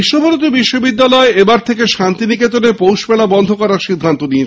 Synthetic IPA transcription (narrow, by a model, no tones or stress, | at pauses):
iʃːobʱolot̪̬obiʃːobid̪ːalɔeebaɾt̪ʰekeʃant̪iniket̪̬onepowʃpɛlabɔnd̪ʱokɔɾaɾʃid̪ʱːant̪onie